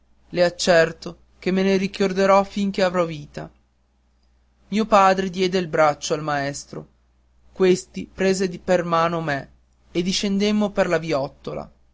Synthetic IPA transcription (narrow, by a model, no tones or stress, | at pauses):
leat͡ʃːɛrt̪o | k̟emːeneɾikord̪eɾɔfiŋkeavɾɔviːt̪a̰ | miːopaːd̪ɾed̪jɛːd̪eilbɾat͡ʃːoalmaɛst̪ɾo̰ | kwest̪ipɾeːzepermaːnome | ed̪iʃend̪emːoperlaviɔt̪ːola̰